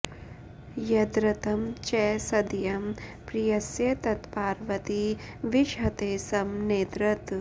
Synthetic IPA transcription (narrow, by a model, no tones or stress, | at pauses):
jɐd̪ɾɐt̪ɐmt͡ʃɛːsɐd̪jɐmpɾijɐsjɐt̪ɐt̪paːɾʋɐt̪i | ʋiʃɦɐt̪eːsɐmneːd̪ɾɐt̪